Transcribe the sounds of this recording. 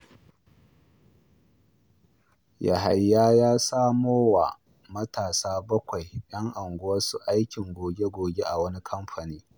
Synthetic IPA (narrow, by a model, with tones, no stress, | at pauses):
ja̰˨ɦa˨jːaː˦jaː˦saː˦moː˦wa̰˨ | mɐ˦taː˨saː˦bɐ˦kʷa˨jɗɐ˦ŋʔa˨ŋɡʷʊ˦wɐ˦su˨ʔa˦jkʲɪ˨ŋɡʷoː˨ɡʲe˦ɡʷoː˨ɡʲe˦ʔa˨wɐ˦ni˦kʰɐ˦mɸa˨niː˦